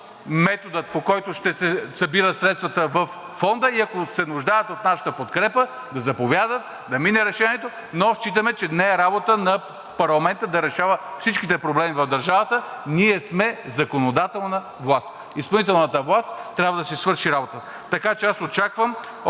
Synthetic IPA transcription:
mɛt̪od̪ət̪̚pokɔjt̪oʃt̪ɛsɛsɐbiɾət̪sɾɛt̪st̪vɐt̪əvɐfːɔnd̪əiɐkosɛnuʒd̪ajət̪ot̪naʃə̥t̪əpot̪kɾɛpə | d̪ɐzɐpovʲjad̪ət̪̚ | d̪ɐminɛɾɛʃɛniɛt̪o | noʃt͡ʃit̪̬əmɛt͡ʃɛnɛːɾabot̪ənɐ | pɐɾlˠɐmɛnt̪əd̪ɐɾɛʃavəfsit͡ʃkit̪ɛpɾoblɛmivɐvd̪ɐɾʒavət̪əniɛsmɛzɐkonod̪at̪ɛlˠnə | vlˠast̪ | ispɐlˠit̪ɛlˠnət̪əvlˠast̪t̪ːɾʲabvəd̪ɐsɛsvɤɾʃiɾabot̪ə | t̪ɐkat͡ʃɛasot͡ʃakvəm

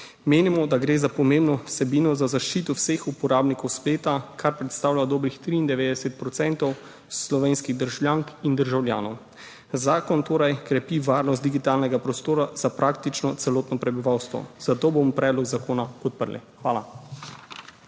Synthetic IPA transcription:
meːnimɔd̪aɡɾeːzapɔmembnɔwsɛbiːnɔzazaʃt͡ʃiːt̪ɔwsexupɔɾaːbnikɔwspleːt̪akʰaɾpɾɛt̪st̪aːwlʲjad̪oːbɾixt̪ɾiːnd̪ɛʋeːd̪ɛsɛt̪̚pɾɔt̪sɛnt̪ɔw | slɔʋeːnskiɣd̪əɾʒwljaːŋkind̪əɾʒawlja̰ːnɔw | zaːkɔnt̪oːɾajkɾɛpiʋaːɾnɔst̪d̪iɡit̪aːlnɛɡapɾɔst̪oːɾazapɾak̚t̪it͡ʃnɔt̪sɛloːt̪nɔpɾɛbiʋawst̪ʋɔ̰z̥at̪oːbomɔpɾɛːd̪lɔɡzakoːnapɔt̪̚pə̰ɾlɛ̰xʋaːla

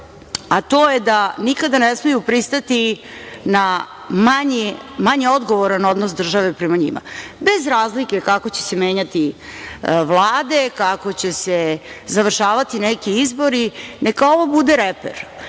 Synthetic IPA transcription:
at̪o̞ːjed̪anikad̪anesmejupɾist̪at̪ina | maɲemaɲeo̞d̪ɡo̞ʋoɾano̞d̪nos̬d̪r̩ʒaʋe̞pɾɛmaɲḭma̰be̞zɾaːzlike̞kako̞t͡ɕe̞̥se̞meːɲat̪i | ʋlˠaːd̪e̞kako̞t͡ɕesezaʋr̩ʃaːʋat̪inekiizbo̞ɾine̞kao̞ʋobud̪eɾepḛɾ

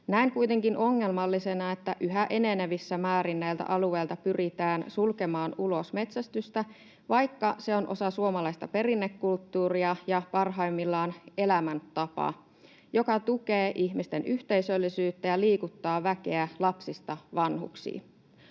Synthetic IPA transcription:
næiŋkujt̪e̞ŋkinʔo̞ŋːe̞lmɑlːisenɑet̪ːæʔyɦæʔe̞ne̞neʋisːæmæːɾinːæjlt̪æ̰ʔɑlue̞jlt̪ɑpyrit̪æːnsulke̞mɑːnulo̞sme̞t̪sæst̪yst̪æ | ʋɑjkːɑse̞o̞nʔo̞̰sɑsuomɑlɑist̪ɑpe̞rinːe̞kːult̪ːuːriɑjɑpɑrɦɑimːilːɑːne̞læmænt̪ɑpɑ̰ | jo̞kɑt̪uke̞ːʔiçmist̪e̞nʔyht̪e̞isø̞lːisyːt̪ːæjɑliːkut̪ːɑːʋæke̞ælɑpsist̪ɑʋɑnɦṵksḭː

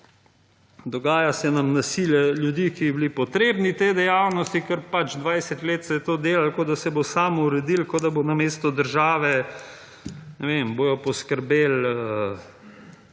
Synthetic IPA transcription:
d̪ɔɡaːjasɛnamnasiljɛljud̪ikiblipɔt̪ɾeːbnit̪ed̪ɛjawnɔst̪ikəɾpat͡ʃd̪ʋajsɛt̪leːt̪sɛjɛt̪oːd̪eːlalkod̪asɛbosaːmuɾɛd̪ilkod̪abonameːst̪ɔd̪əɾʒaːʋɛ | nɛʋemboːjɔpɔskəɾbeːlə

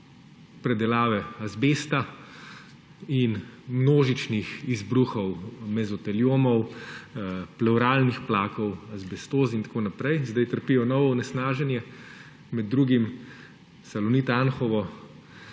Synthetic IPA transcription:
pɾɛd̪ɛlaːʋɛazbeːst̪a | inmnoːʒit͡ʃnixizbɾuxɔwmɛzɔt̪ɛljoːmɔw | plɛwɾaːlnixplaːkɔwazbɛst̪oːzint̪ḁkoːnapɾɛjzd̪ajt̪əɾpiːjɔnɔwɔunɛsnaːʒɛnjɛ | mɛd̪ːɾuːɡim | salɔnit̪anxɔʋɔ

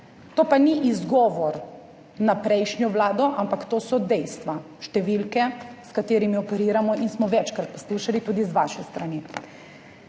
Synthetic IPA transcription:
t̪oːpaniʔizɡɔːʋɔɾ | napɾɛjʃnjɔʋlaːd̪ɔʔampakt̪oːsɔd̪ɛjst̪ʋa | ʃt̪ɛʋilkɛskat̪eːɾimiɔpɛɾiːɾamɔinsmɔʋɛt͡ʃkɾat̪̚pɔ̥sliʃalit̪uːd̪izʋaːʃɛst̪ɾani

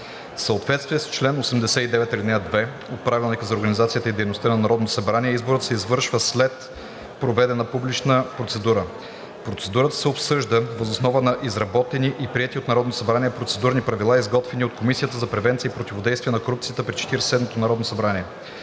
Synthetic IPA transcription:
fsəot̪vɛt̪st̪viɛst͡ʃlɛnosɛmd̪ɛsɛid̪ɛvɛt̪lʲid̪ɛjəd̪vɛ | ot̪̚pɾavilˠnikəzɐoɾɡənizat̪sijət̪əid̪ɛjnost̪ənɐnɐɾɔd̪not̪osɐbɾaniɛizboɾət̪sɛizvɤɾʃvəslɛt̪ | pɾovɛd̪ɛnəpublit͡ʃnəpɾot̪sɛd̪uɾə | pɾot̪sɛd̪uɾət̪ə̥sɛopsɤʒd̪əvəzosnɔvənɐʔizɾɐbɔt̪ɛniʔipɾiɛt̪iot̪nɐɾɔd̪nosɐbɾaniɛpɾot̪sɛd̪uɾnipɾɐvilˠaizɡɔt̪vɛniot̪̚komisijət̪əzɐpɾɛvɛnt̪siəipɾot̪ʲivod̪ɛjst̪vʲiɛnɐkoɾup̚tsiət̪əpɾit͡ʃɛ̥t̪iɾsɛd̪mot̪onɐɾɔd̪nosɐbɾaniɛ

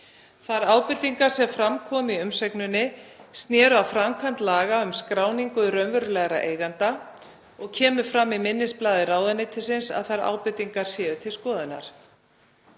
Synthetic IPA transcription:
θaɾaːwpʏt̪iŋkaɾ̥sɛmfɾamkʰɔːmiʏmsɛknʏnːɪst̪njɛːɾʏawfɾamkʰant̪laːɣaʏmskɾaːwniŋkʏɾœnvœɾlɛɣaɾaʔeːjɣant̪a | ɔɣcʰɛːmʏɾ̥fɾamːimɪnːɪsplaːðɪɾaːwðanːɪt̪ʰɪlsɪnsa̰ðθaɾa̰ːwpʏt̪iŋkaɾ̥sjɛːðʏt̪ʰɪlskɔːðʏnːa̰ɾ̥

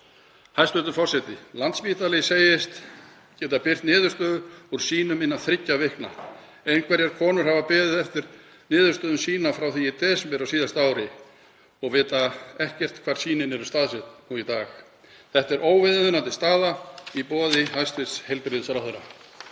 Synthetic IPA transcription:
hajst̪vʏt̪ʏfɔr̥sɛt̪ɪlant̪spiːt̪alɛjseːjɪst̪ | cɛːt̪apɪr̥t̪nɪːðʏ̥st̪œːðʏuɾ̥siːnʏmɪnːaθɾɪcːavɪhkna̰ | ejnkʰvɛɾjɛɾ̥kʰɔːnʏɾ̥havapɛːðɪθɛft̪ɪɾ | nɪːðʏɾ̥st̪œːðʏnsiːnafɾawθiɪt̪ʰɛːsmpɛɾasiːðast̪aːwɾɪ | ɔɣvɪːt̪aɛhcɛr̥t̪kʰv̥aɾ̥siːnɪnɛɾʏst̪aːðsɛt̪nuit̪aːx | θɛht̪ɛɾʔoːwvɪðʏðʏnat̪ɪst̪aːðaipɔːðɪhajst̪vɪt̪shejlpɾɪðsɾawθœɾa

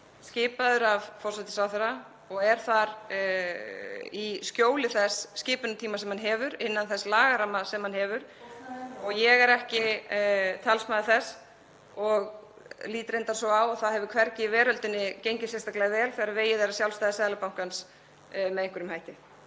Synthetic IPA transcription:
scɪːpaðʏɾavfɔrsajt̪ɪ̥sawθɛɾa | ɔɣɛɾ̥θaɾ | iscoːwlɪθɛsːcɪːpʏnʏt̪ʰiːmasɛmhanɦɛːvʏɾɪnːanθɛslaːɣaɾamːasɛmhanhɛːvʏɾ̥ | ɔɣjɛɣɛɾɛhcɪ | t̪ʰalsmaðɪθɛs | ɔɣ | liːt̪ɾejnt̪asɔawaɣθaðhɛvʏkʰvɛɾcɪvɛːɾœlt̪ɪnːɪcejɲcɪsjɛst̪aklɛɣɪvɛːlθɪɣɾaɾveːjɪðeɾasjawlst̪aːjðɪsaːðlapawŋ̥kans | mɛðejŋkvʏɪɾʏmhajt̪ɪ

